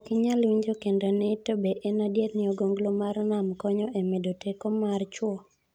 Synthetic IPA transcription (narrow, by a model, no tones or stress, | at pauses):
kɪɲalwiɲd͡ʒokendonɛtobeʔenadjetnɪɔɡoŋɡlomarnamkɔɲɔʔemedotekɔmart͡ʃwɔ